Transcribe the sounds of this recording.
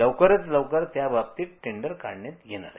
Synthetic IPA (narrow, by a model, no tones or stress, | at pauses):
əʋkəɾət͡sləwkəɾt̪jabap̚t̪iːʈʰeɳɖəɾkaɽɳet̪jena̰ɾ